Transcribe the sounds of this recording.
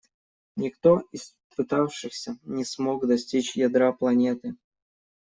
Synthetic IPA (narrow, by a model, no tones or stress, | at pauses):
nʲɪkt̪oɪs | pɨt̪afʂɨxsʲənʲɪsmoɡd̪ɐsʲtʲit͡ɕjɐd̪ɾaplˠɐnʲe̞t̪ɨ